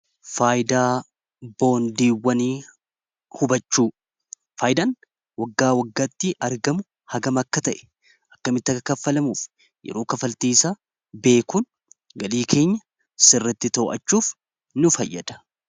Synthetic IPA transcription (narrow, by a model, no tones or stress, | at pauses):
faːjd̪aː | bo̞ːnd̪iːwːɐniː | hʊbɐt͡ʃːuː | faːjɪd̪aːn | wɐɡːaːwɐɡːaːt̪ːɪʔɐɾɡɐmʊ | hɐɡɐmɐkːɐt̪ɐʔɛ̥ | ʔɐkːɐmɪt̪ːɐkɐfːɐlɐmuːf | jɛ̰ɾoːkɐfɐlt̪iːsa | be̞ːkuːn | ɡɐliːkʰe̞ːɲːɐ | sɪrːɐt̪ːɪt̪o̞ːʔɐt͡ʃːuːf | nʊfɐjːɐd̪ɐ̥